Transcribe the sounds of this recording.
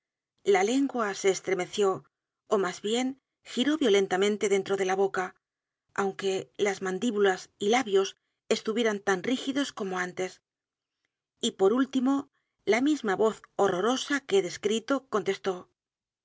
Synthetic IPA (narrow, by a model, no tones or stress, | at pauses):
lale̞ŋɡwase̞ːst̪ɾe̞me̞θjo̞ː | mazβje̞ŋ | xiɾo̞βjo̞le̞nt̪amẽ̞nt̪e̞ðe̞nt̪ɾo̞ð̞e̞laβo̞ka | awŋke̞lazmãnd̪iβulasilaβjo̞s | e̞st̪uβje̞ɾant̪anrixiðo̞sko̞mo̞ant̪e̞s | ipo̞ɾult̪imo̞ | lamizmaβo̞θo̞ro̞ɾo̞sake̞ðe̞skɾit̪o̞ko̞nt̪e̞st̪o̞